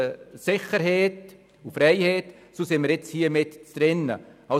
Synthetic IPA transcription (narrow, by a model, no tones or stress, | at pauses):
sɪχəɾɦeːt | ufɾɛɪheːt | soːsɪnməɾjɛt͡shiːəmɪtt͡sd̥ɾɪnə̰ɑ